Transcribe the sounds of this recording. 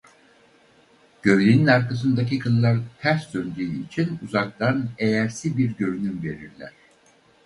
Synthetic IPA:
ɟ̥ø̞vlʲeninaɾkas̬ɯnd̪ac̬ikʰɯlˠːaɾt̪ʰæɾsd̪ønd̪yːit͡ʃʰinuzak̚t̪ʰanejæɾsibiɾɟø̞ɾnymve̞ɾiɾlʲæ̰ɾ̝̥

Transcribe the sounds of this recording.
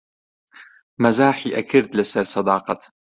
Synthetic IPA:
mazaːħiʔakɪɾt̪lɪsaɾsˤɑd̪ɑːqɑt̪

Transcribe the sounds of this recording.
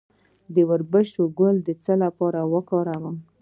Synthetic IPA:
d̪əwəɾbəʃt̪oɡʊld̪ət͡səlapɑɾawəkɑɾawəm

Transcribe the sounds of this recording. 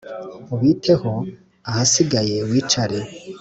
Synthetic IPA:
uβiːtʰeho | ahasiɡaje̞wiːt͡ʃaɾe

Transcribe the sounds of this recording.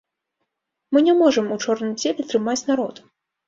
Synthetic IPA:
mɨnʲɛmɔʐɨmut͡ʂɔrnɨmd͡zʲelʲɛt̪ɾɨmat͡sʲnaɾɔt̪

